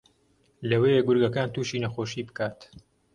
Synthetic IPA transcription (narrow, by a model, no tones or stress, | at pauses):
lɐweːjeɡʊɾɡɐkaːnt̪uːʃiːnɐxoːʃiːbɨkaːt̪